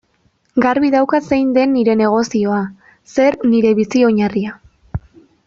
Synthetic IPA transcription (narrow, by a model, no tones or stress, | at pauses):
ɡaɾβiðawkase̞jnd̪e̞nːiɾe̞ne̞ɣ̞o̞sio̞a | se̞ɾniɾe̞βisio̞ɲaria